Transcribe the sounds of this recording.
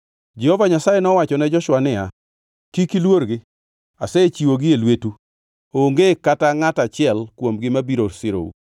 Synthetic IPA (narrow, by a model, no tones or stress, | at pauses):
d͡ʒɛhovaɲasajenɔwat͡ʃɔnɛd͡ʒɔʃwanɪja̰ | kikilwoɾɡɪ | a̰sɛt͡ʃiwoɡɪelwetu | oŋɡekataŋatat͡ʃɪɛlkwomɡɪmabiɾoɾsɪɾo̰ṵ